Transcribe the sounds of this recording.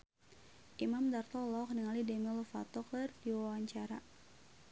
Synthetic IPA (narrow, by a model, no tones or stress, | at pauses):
ʔimamdart̪ɔlɔkniŋalidɛmilfa̰t̪ɔklərdiwawaɲt͡ʃaɾa